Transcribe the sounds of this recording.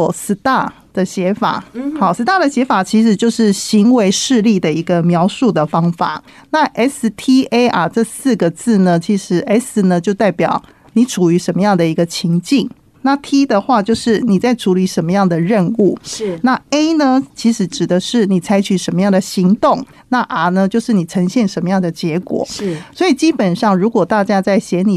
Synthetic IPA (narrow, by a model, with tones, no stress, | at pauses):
sɹ̩˧˥t̪a˥˩ | d̪̥ə˨ɕjɛ˧˥fa̰˨˩˦xɑ˨˩ʊsɹ̩˧˥t̪a˥˩d̪ə˩ɕjɛ˧˥fa˨˩t͡ɕʰi˧˥ʂɻ̩˧˥t͡ɕjo˥˧ʊʂɻ̩˥˩ɕi˧˥ŋwe˧˥ɪʂɻ̩˥˧li˥˩d̪ə˩i˧˥ɡə˧mjɑ˧˥ʊʂu˥˩d̪ə˩fɑ˥ŋfa̰˨˩˦ | na˥˨ʔɛ˦˥st̪ʰi˥e˥ɪʔɐ˩ʈ͡ʂɤ˥˧sɹ̩˥˩ɡə˩t͡sɹ̩˥˩nə˩t͡ɕʰi˧˥ʂɻ̩˧˥ʔɛ˥snə˩t͡ɕjo˥˧ʊt̪a˥˩ɪpjɑ˨˩ʊ | ni˨˧˥ʈ͡ʂʰu˨˩y˧˥ʂə˧nmə˧jɑ˥˩ŋd̪ə˩i˧˥ɡə˧t͡ɕʰi˧˥ŋt͡ɕi˥˩ŋ | na˥˨t̪ʰi˥d̪ə˨xwa˥˧t͡ɕjo˥˧ʊʂɻ̩˥˩ni˨˩t͡sa˥˩ɪʈ͡ʂʰu˧˥li˨˧˩ʂə˧˥nmə˧jɑ˥˩ŋd̪ə˩ɻə˥˧nu˥˩na˥˩e˥ɪnə˧t͡ɕʰi˧˥ʂɻ̩˧˥ʈ͡ʂɻ̩˨˩d̪ə˦ʂɻ̩˥˩ni˨˩t͡sʰa˧˥ɪt͡ɕʰy˨˩ʂə˧˥nmə˧jɑ˥˩ŋd̪ə˩ɕi˧˥ŋt̪o˥˩ŋ | na˥˩ʔa˨˩nə˦t͡ɕjo˥˧ʊʂɻ̩˥˩ni˨˩ʈ͡ʂʰə˧˥ŋɕjɛ˥˩nʂə˧˥nmə˧jɑ˥˩ŋd̪ə˩t͡ɕjɛ˧˥kwɔ̰˨˩˦swɔ˧˥i˨˩t͡ɕi˦˥pə˨˩nʂɑ˥˩ŋɻu˧˥kwɔ˨˩t̪a˥˧t͡ɕja˥t͡sa˥˩ɪɕjɛ˧˥ni˨˩